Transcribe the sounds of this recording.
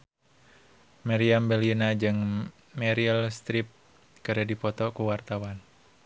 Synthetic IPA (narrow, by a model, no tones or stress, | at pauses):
maɾiambɛlinad͡ʒɨŋ | mɛɾilst̪ɾip̚ | kɨɾədipɔt̪ɔkuwart̪awan